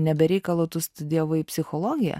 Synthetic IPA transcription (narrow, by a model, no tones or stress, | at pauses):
nʲɛbʲɛɾʲɛɪkɐlˠoːt̪ʊst̪ʊd̪ʲiɛʋʊɪpʲsʲɪxolˠoːɡʲɪjɛ̰